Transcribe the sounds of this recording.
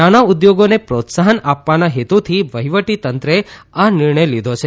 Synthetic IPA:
añaud̪joɡonepɾot̪saɦənapʋanaɦet̪ut̪ʰiʋəɦiʋəʈit̪ənt̪ɾeanɪɾɳəjlid̪ʱot͡ʃʰe

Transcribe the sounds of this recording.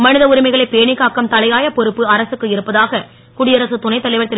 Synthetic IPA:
mɐɳɯðɐʊɾɪmɐɪɣɐɭɐɪpeːɳɪkːaːkːɐmt̪ɐlɐjaːjɐpɔɾɯpːɯɐɾɐsɯkːɯɪɾɯpːɐðaːɣɐ | kʊɽɪjɐɾɐsɯt̪ʊnɐɪt̪ɐlɐɪʋɐɾt̪ɐ

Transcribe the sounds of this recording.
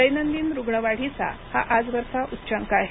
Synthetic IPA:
əjnənd̪iːnɾuɡɳəʋaɽ̤it͡sa̰haʔad͡zʋəɾsaʔutːɕaŋkaaːɦe

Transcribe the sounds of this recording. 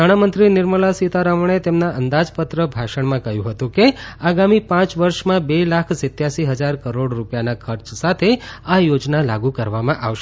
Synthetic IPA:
aɽ̃amənt̪ɾinɪɾməlasit̪aɾaməɳ̃et̪emnaʔənd̪ad͡ʒpət̪ɾəbʱaʃəɳ̃mãkəɦjũɦət̪ũkeaɡamipãt͡ʃʋəɾʃmãbelakʰsɪt̪jaʃiɦəd͡ʒaɾkəɾoɽɾupjanakʰəɾt͡ʃsat̪ʰeajod͡ʒnalaɡũkəɾʋamãʔaʋʃe

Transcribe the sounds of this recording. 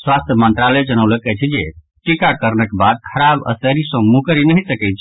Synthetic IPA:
swast̪ʰjəmənt̪ɾaled͡ʒənəwləkɛt͡ʃʰid͡ʒe | ʈikakəɾnəkebad̪̚kʰəɾabə̰səɾisə̃mukəɾinəɦisəkɛt͡ʃʰ

